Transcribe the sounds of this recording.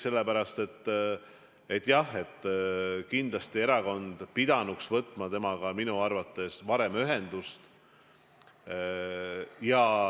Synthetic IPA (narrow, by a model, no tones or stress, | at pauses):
se̞lːepæɾɑst̪e̞t̪ː | e̞t̪ːˑjɑhe̞t̪ːˑkind̪lɑst̪ie̞ɾɑko̞nd̪̥pid̪ɑnuksvɤt̪ːˑmɑt̪e̞mɑɡɑminuɑrvɑt̪ːˑe̞svɑɾe̞myɦe̞nd̪ust̪ | jɑ